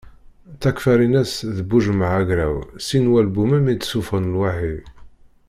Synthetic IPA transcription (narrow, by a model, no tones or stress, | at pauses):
t͡sːækfæɾinæsðəbuʒmaʕaɣɾæ̰wsinwælbumæmit̪sufənəlwaħið